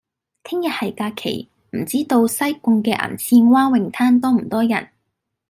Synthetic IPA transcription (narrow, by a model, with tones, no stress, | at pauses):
t̪ʰɪ˥ŋjɐ˨t̚hɐ˨jkaː˧kʰḛ˨˩j | m̩˨˩t͡siː˥t̪o˧wsɐ˥jkʊ˧ŋkɛː˧ʔa̰ː˨˩nt͡sʰiː˧nwaː˥nwɪ˨˩ŋt̪ʰaː˥nt̪ɔː˥m̩˨˩t̪ɔː˥jɐ̰˨˩n